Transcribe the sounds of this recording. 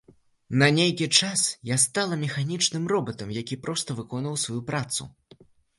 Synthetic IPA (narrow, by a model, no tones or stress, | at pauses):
nɐnʲejkʲit͡ʂasjast̪alˠɐmʲɛxanʲit͡ʂnɨmrɔbɐt̪ɐmjakʲipɾɔst̪ɐvɨkɔnvɐwsvajupɾat̪sṵ